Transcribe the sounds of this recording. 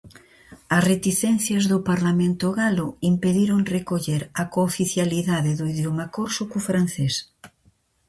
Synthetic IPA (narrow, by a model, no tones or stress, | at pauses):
ɐsret̪iθɛn̟θjɐzðʊpaɾlamẽnt̪oɣaloimpeðiɾoŋrekoʎeɾakofiθjaliðaðeðoiðjomakoɾsukufɾan̟θes